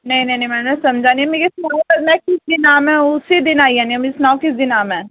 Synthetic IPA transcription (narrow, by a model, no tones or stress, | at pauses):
nɐĩnɐ̃inɐ̃ĩmɛːnɛsɐmd͡ʒʱaːnimeɾesnamɛ̃kɪsd̪ɪnaːmɛ̃ʊsed̪ɪnaːiɦɛ̃nimeesnaːwkɪsd̪ɪnaːmɦɛ̃ː